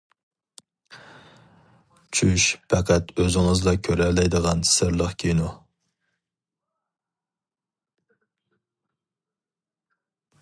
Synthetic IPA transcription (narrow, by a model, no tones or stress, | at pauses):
t͡ʃʰyʃpʰɛqʰæt̪øzɪŋɨzlˠɑkʲʰøɾɛlɛjd̪əʁɑn̥sɪɾlˠəχkʲʰejnu